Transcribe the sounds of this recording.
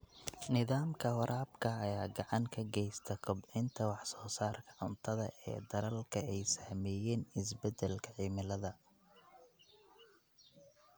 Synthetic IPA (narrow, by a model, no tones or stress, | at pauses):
nɪðaːmkʰɐwɐɾʔaːbkʰɐːjaːɡɑʕɑŋkʰɐɡɛjst̪ʰɐkʰɔbʕɪnt̪ʰɐwɑħsɔːsaːrkʰɐʕʊnt̪ʰɐðɐ̰ʔɛ̰ːd̪ɐɾɐlkʰɐɛjsɐhmɛːjɛːnɪs̬bɛd̪ɛlkʰɐʕiːmɪlɐðɐ